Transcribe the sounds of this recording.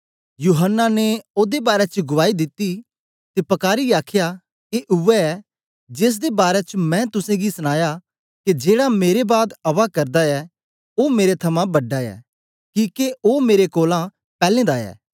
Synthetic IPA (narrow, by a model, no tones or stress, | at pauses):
juːɦənːaneoːd̪ebaːɾɛt͡ʃɡʊʋaːid̪ɪt̪ːi | t̪epɐkaːɾiaːkʰja | keʔʊʋɛɛ | d͡ʒeːs̬d̪ebaːɾɛt͡ʃmɛ̃t̪ʊsẽɡisɐñaːja | ked͡ʒeːɽameːɾebaːd̪ɐʋakɐɾd̪aɛ | oːmeːɾet̪ʰɐmãbɐɖːaɛ̰ː | kiːkeoːmeːɾekoːlã | pɛːlẽːd̪aɛ̰ː